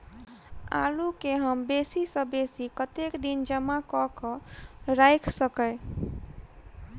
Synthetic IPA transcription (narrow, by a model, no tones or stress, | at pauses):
a̰lukeɦəmbesisə̃besikət̪ekd̪ind͡ʒəmakɔkəɾajkʰsəkəɪ